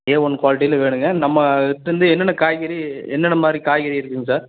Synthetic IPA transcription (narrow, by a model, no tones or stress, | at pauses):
ẽːɔnːɯkʋaːlɪʈ̬ːijɪlʋeːɳɯŋɡɐnɐmːɐt̪ːɾɯnd̪ɯɛnːɐnɐkaːjɣɐɾiɛnːɐnɐmaːd̪ɾikaːjɣɐɾiɪɾɯkːɯŋɡɐsaːɾ